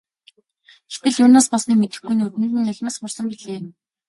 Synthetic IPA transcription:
xet̪ɘ̆ɮjʊːnaːspɔɮsniːmet̪ɘ̆xɡujnut̪ɘ̆nt̪ɘ̆nːʊɮʲmaːsχʊrsə̆mpiɮeː

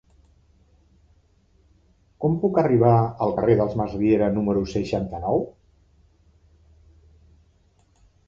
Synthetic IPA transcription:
kɔmpukəriβ̞aəlˠkəreðəlˠzmazβieɾənuməɾusəʃant̪ənɔw

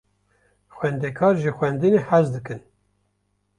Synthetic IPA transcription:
xʷwɛnd̪ekʰɑːɾʒɨxʷɛnd̪ɨneħæzd̪ɨkɨn

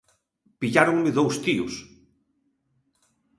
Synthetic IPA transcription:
piʎaɾoŋmɪðowst̪iʊ̰s

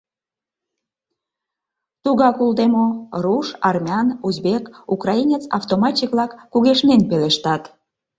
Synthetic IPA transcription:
t̪uɣɑkuld̪emoruʃɑrmʲeɑnuzbekukrɑinʲet͡sɑ̰ft̪omɑt͡ɕekβlɑkːuɣeʃnenpeleʃt̪ɑt̪

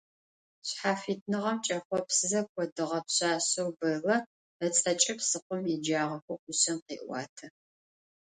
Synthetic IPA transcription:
ɕħaːfiːt̚ʰnɨʁɐmt͡ʃʼɐxʷɔpsɨzɐkʷʰɔdɨʁɐpɕaːɕɐwbɐlɐ | ɐt͡sʼɐt͡ʃʼɐpsɨqʷʊmjɛd͡ʒaːʁɐxʷɔqʷʊɕɐmqḭːʔʷɑ̰ːtʰɐ

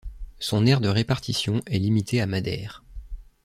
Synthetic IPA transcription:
sɔ̃nɛʁd̪əʁepaʁt̪isjɔ̃ʔɛlimit̪ʰeamad̪ɛ̰ːʁ

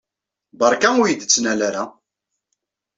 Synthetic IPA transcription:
bɑɾˤkænujəd̪ət͡sːnælæɾa

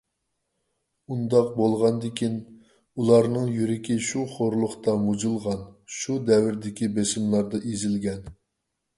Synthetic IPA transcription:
und̪ɑqbolˠʁɑnd̪ɪkʲʰin | ulˠɑɾnɨŋjyɾɪkʲiʃuχoɾlˠʊχt̪ɑmud͡ʒɨlˠʁɑnʃud̪ɛwɪɾd̪ɪkʲibesɪmlˠɑɾd̪ɑʔezɪlɡʲɛn

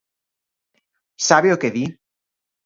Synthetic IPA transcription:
saβeokeði

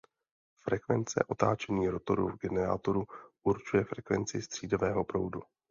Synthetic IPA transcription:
fɾɛkvɛnt͡sɛ̰ʔo̞t̪aːt͡ʃɛɲiːɾot̪oɾṵvɡɛnɛɾa̰ːt̪oɾuʔuɾt͡ʃujɛfɾɛkvɛnt͡sɪst̪r̥iːdovɛːɦopɾo̞wdu

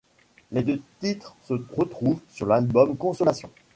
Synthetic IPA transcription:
led̪øt̪it̪χsəʁət̪χuvsyʁlalbɔmkɔ̃sɔlasjɔ̰̃

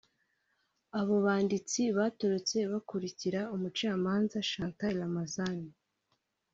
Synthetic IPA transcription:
aβo̞βaːndit͡siβaːto̞ɾo̞t͡se̞βakuɾiciɾaumut͡ʃaːmaːnzaʃaːntalamazani

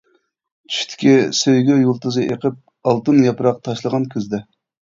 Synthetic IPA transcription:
t͡ʃʰy̥ʃʲt̪ʰɪ̥kʲisøjɡʲyjulˠt̪ɨzɨʔeqʰəp̚ | ɑlˠt̪ɨnjɑpɾɑq̚t̪ʰɑʃlˠəʁɑnkʲʰyzd̪ɛ

